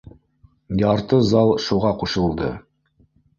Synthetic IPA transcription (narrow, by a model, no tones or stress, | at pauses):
jɑɾt̪ɤzɑlˠʃuʁɑquʃɤ̆lˠd̪ɤ̰